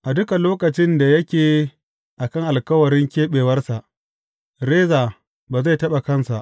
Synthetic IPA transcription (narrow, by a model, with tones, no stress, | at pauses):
ʔa˨dʊ˦ka˨loː˦kɐ˨t͡ʃɪ˦nda˨jɐ˦kʲeː˨ | ʔa˨kɐ˦ŋʔa˨lkɐ˦wɐ˨ɾɪ˦ŋkʲeː˦ɓeː˨wɐ˦rsa˨ʔ | ɾeː˦zaː˨ | baː˨za˦˨tɐ˦ɓa˨kɐ˦nsa˨ʔ